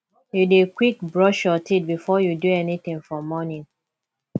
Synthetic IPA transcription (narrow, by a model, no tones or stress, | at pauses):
judekwikbɹɔʃjɔtʰit̚bifɔjuduɛnit̪ĩŋfɔmɔnĩŋ